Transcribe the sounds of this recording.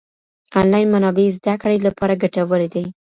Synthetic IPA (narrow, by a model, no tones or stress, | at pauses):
ɑnlɑjnmanɑbezd̪akɽelapɑɾaɡaʈawəɾed̪e